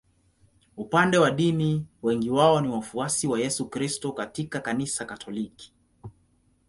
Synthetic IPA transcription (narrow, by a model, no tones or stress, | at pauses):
upandɛwaɗimiwɛŋɡiwaɔniwafuasiwajɛsukɾistɔkatikakanisakatʰɔliki̥